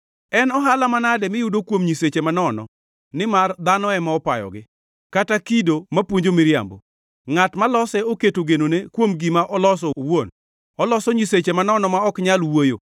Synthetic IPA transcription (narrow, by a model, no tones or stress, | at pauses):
ɛnɔɦalamanadɛmɪjʊdokwomɲiset͡ʃemanɔnɔ̰ | nɪmard̪anɔɛmaɔpajɔ̰ɡɪ | katakidomapwoɲd͡ʒomɪɾja̰mbo̰ | ŋatmalɔsɛoketoɡenonekwomɡɪmaʔɔlɔs̬ɔwon | ɔlɔsɔɲiset͡ʃemanɔnɔmaɔkɲalwojo̰